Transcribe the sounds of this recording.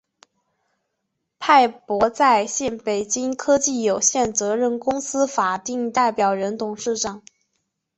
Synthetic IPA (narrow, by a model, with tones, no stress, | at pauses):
pʰa˥˩ɪpwɔ˧˥t͡sa˥˧ɪɕjɛ˥˩npe˨˩ɪt͡ɕi˥ŋkʰɤ˥t͡ɕi˥˩jo˨˩ʊɕjɛ˥˩nt͡sɤ˧˥ɻə˥˧nkʊ˥ŋsɹ̩˥fa˨˩t̪i˥˧ŋt̪a˥˩ɪpjɑ˨˩ʊɻə˧˥nt̪ʊ˨˩ŋʂɻ̩˥˩ʂɑ˨˩˦ŋ